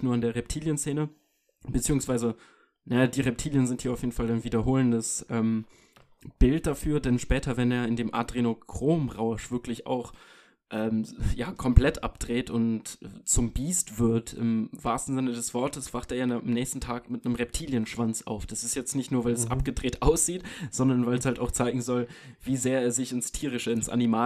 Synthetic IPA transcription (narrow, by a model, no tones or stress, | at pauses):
tnuːɐandeːɐʁɛp̚tʰiːljənseːnə | b̥ət͡siːʊŋsv̥aɪzə | najadiːʁɛp̚tʰiːljənzɪnthiːɐaʊfjeːdn̩falaɪnviːdɐɦoːləndəsʔɛːm | b̥ɪlt̚d̥afyːɐdɛnʃpɛːtʰɐvɛneːɐɪndeːmʔa̰dʁenokʁ̥oːmʁaʊʃv̥ɪɐklɪça̰ʊx | ʔɛːmjaːkʰɔmpl̥ɛtʔa̰p̚d̥ʁeːtʊntʔɛt͡sʊmbiːstv̥ɪɐtɪ̰mvaːɐstn̩zɪnədɛsv̥ɔɐtəsv̥aχteːɐjaaamnɛːçstn̩tʰaːkmɪtnəmʁɛp̚tʰiːljənʃv̥ant͡sa̰ʊfd̥asɪstjɛt͡stnɪçtnuːɐvaɪlɛsʔa̰pɡ̥ədʁeːtʔaʊsz̥iːtz̥ɔndɐnvaɪlɛshaltaʊxt͡saɪɡŋ̩zɔlviːzeːɐeːɐzɪçɪnstʰiːʁ̞ɪʃəɪnsʔa̰nimaː